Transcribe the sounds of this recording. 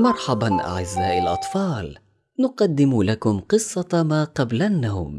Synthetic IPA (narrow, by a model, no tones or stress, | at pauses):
mɑɾˤħɑbanʔa̰ʕɪzːaːʔalʔɑ̰t̪ˤfɑːl | nʊqɑd̪ːɪmlakʊmqɨsˤːɑmaːqɑblanːawm